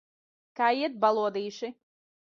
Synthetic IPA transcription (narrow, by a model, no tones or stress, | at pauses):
kaːiɛt̪̚balˠuɔd̪iːʃi